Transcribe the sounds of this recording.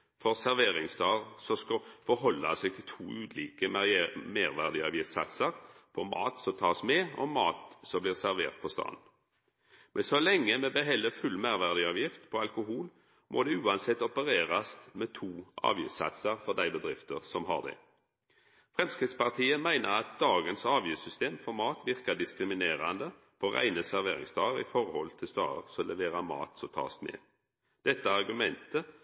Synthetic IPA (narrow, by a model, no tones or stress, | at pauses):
fɔʁsæʁʋeːʁɪŋsd̪ɑːʁsɔskɑfɔɾɦɔlːɑ̰sɛɡ̚t̪ʰɪlt̪ʰuːʉːd̪liːkəmæmeːʁʋæʁd̪ɪɑ̰ːʋjɪft̪sɑ̰t̪səʁpʰɔmɑ̰ːt̪sɔmt̪ʰɑːsmɛɔmɑːt̪sɔmbliːʁsæʁʋḛːʁt̪̚pʰɔst̪ɑ̰ːnn̩ | mʔɛnsɔlɛŋːəmɛbɛɦɛlːəfʉlmæɪʁʋæʁd̪ɪɑːʋjɪft̪pʰɔɑlkʊɦuːl | mʔo̰ːd̪ɛʉːɑnsɛt̪ːɔpəʁeːʁɑst̪mɛt̪ʰuːʔɑ̰ːʋjʉ̰sɑ̰t̪sɑʁfɔʁd̪æɪbəd̪ʁɪft̪əʁsɔmɦɑ̰ʁd̪ɛ̰ | fʁɛmskɪt̪spɑʁt̪ʰiːəmæɪnəʁɑt̪̚d̪ɑːɡənsɑːʋjʉːsʏst̪eːmfɔɾmɑːt̪ʋɪʁkɑd̪ɪskʁɪmɪneːʁand̪ə | pʰɔʁæ̰ɪnəsæʁʋeːʁɪ̰ŋsd̪ɑːəɾɪ̰fɔʁhɔlt̪ʰɪlst̪ɑ̰ːə̰ʁsɔɔlɛʋeːʁɑmɑ̰ːt̪sɔt̪ʰɑ̰ːsmɛ̰ | d̪̥ɛt̪ːəɑʁɡʉmɛnt̪ə